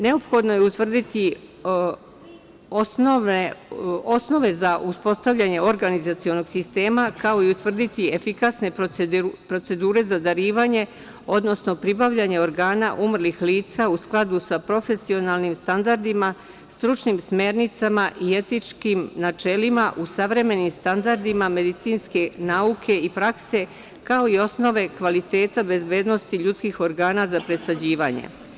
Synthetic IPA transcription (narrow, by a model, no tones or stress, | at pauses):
ne̞o̞pxo̞d̪no̞jeut̪ʋr̩d̪it̪i | oeosno̞ʋe̞zaʔuspo̞st̪aʋʎaɲe̞o̞ɾɡanizat̪sio̞no̞ɡsist̪e̞ːmakao̞iut̪ʋr̩d̪it̪ie̞fikasne̞ | pɾo̞t̪se̞d̪uːɾe̞zad̪aɾiːʋaɲe̞ | o̞d̪no̞sno̞pɾibaʋʎaɲe̞o̞ɾɡaːnaʔumr̩lixliːt̪sausklˠad̪usapɾo̞fe̞sio̞nalˠnimst̪and̪aɾd̪ima | st̪ɾut͡ʃnimsme̞ɾnit̪samaʔie̞t̪it͡ʃkimnat͡ʃe̞limaʔusaʋɾe̞me̞nimst̪and̪aɾd̪imame̞d̪it̪siːnske̞naukʰe̞ipɾakse̞ | kao̞io̞sno̞ʋe̞kʋalit̪e̞ːt̪abe̞zbe̞ːd̪nost̪iʎut̪skixo̞ɾɡaːnazapɾe̞sad͡ʑiːʋaɲḛ